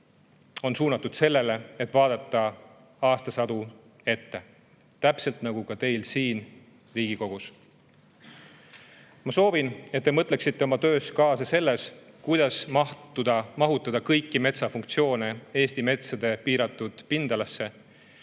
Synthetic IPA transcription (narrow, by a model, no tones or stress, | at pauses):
o̞nsuːnɑt̪ːˑud̪̥se̞lːe̞le̞et̪ːˑvɑːd̪ɑt̪ːˑɑ | ɑːst̪ɑsɑd̪̥u | e̞t̪ːe̞ | t̪æpse̞lt̪nɑɡukɑt̪e̞jlsiːn | riːɡiko̞ɡ̥us | mɑso̞ːvinet̪̚ːe̞mɤt̪ˑleksit̪ːe̞o̞mɑt̪ø̞ːskɑːsɑse̞lːe̞s | kujd̪̥ɑsmɑud̪ɑmɑɦut̪ːˑɑd̪ɑkɤjkːˑime̞t̪sɑfuŋk̚t̪sio̞ːne̞e̞ːst̪ime̞t̪sɑd̪̥e̞piːɾɑt̪ːˑud̪̥pind̪̥ɑlɑsːe̞